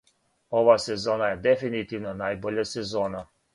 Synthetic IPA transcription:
oʋasezoːnajed̪efinit̪iʋnanaːjboʎasezoːna

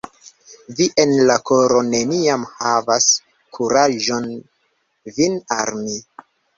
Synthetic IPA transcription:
viʔe̞nlako̞ɾo̞ne̞niamhavas | kʰuɾaʒo̞n | vina̰lmi

